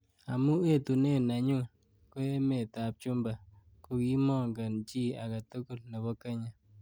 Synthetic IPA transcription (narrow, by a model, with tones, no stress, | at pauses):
a̰˨mu˦e˦˨tu˨ne˦˨na˨ɲu˦ | ko˦e˦me˨ta˨p̚t͡ʃu˦mba˨ | ko˨ki˦mɔ˦˨ŋɡa˨nt͡ʃi˦a̰˨ka˨tu˦ku˦˨lne˨bɔ˦ke˦ɲa˨